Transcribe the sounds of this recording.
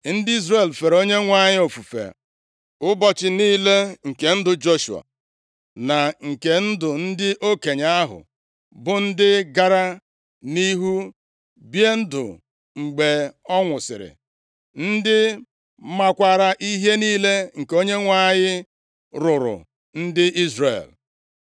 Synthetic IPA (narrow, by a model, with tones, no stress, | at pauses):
n̩˦di˦zre˨lfe˨ɾo˦ɲe˦ŋʷa˦ɲɪ˦o˨fu˨fḛ˨ | ʊ˦bɔ˨t͡ʃɪ˨niː˦le˦ŋ̩˨ke˨n̩˦dʊ˨d͡ʒo˦ʃṵ˨a̰˨ | na˨ŋ̩˨ke˨n̩˦dʊ˨n̩˦dɪ˦ʔo˦ke˨ɲa˦a˦ɦʊ̰˨ | bʊ˨n̩˦dɪ˦ɡa˦ɾa˦ | ni˦ɦu˦ | bje˦n̩˦dʊ̰˨ | ŋ͡m̩˨ɡ͡be˨ɔ˦ŋʷʊ˨sɪ̰˨ɾɪ̰˨ | n̩˦dɪ˦ | ma˦kʷa˦ɾa˦ʔi˦ɦe˦niː˦le˦ŋ̩˨ko˦ɲe˦ŋʷa˦ɲɪ˦ | ɾʊ˨ɾʊ̰˨ | n̩˦dɪ˦ʔi˦zre˨l